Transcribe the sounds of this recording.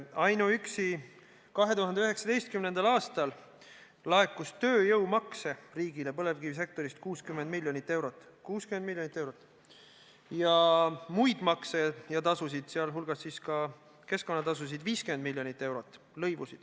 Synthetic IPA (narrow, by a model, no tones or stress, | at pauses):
ɑjnuyksi | kɑɦe̞t̪uɦɑnd̪eøɦeksɑd̪e̞jst̪̚kymne̞nd̪̥ɑlɑːst̪ɑl | lɑekːˑust̪ø̞ːjɤwmɑkse̞riːɡ̥ile̞pɤle̞vkivis̬e̞k̚t̪o̞ɾist̪̚kuːskymːend̪̚milʲjo̞nit̪ˑːe̞wɾo̞t̪ːˑ | kuːskymend̪miljonit̪ːˑe̞wɾot̪ːˑ | jɑmujd̪̥mɑksejɑt̪ɑsus̬id̪̥seɑlɦulɡ̥ɑsːiːskɑ | ke̞sko̞nːɑt̪ɑs̬us̬id̪viːskymend̪milʲːjo̞nit̪ːˑe̞wɾo̞t̪ːˑ | lɤjvusid̪̥